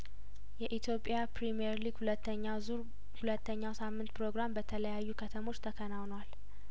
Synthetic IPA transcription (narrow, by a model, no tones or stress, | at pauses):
jɛʔit̪ʰjo̞pʼːjapɾimiɛɾliɡ̥hulət̪ːəɲːawzuɾ | hulət̪ʰːəɲːawsamːɨnt̪pʰɾo̞ɡɾambət̪ʰələjajːukʰət̪ʰəmo̞t͡ʃːt̪ʰəkʰənawnwal